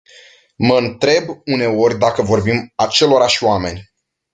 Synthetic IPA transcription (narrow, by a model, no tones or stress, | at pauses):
məɨnt̪ɾe̞bune̞o̞rʲd̪akəvo̞rbimat͡ʃe̞lo̞ɾaʃioame̞nʲ